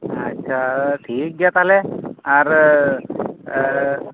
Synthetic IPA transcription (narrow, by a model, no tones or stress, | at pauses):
ətːɕʰaʈʰiːk̚ɡɛt̪aleaɾ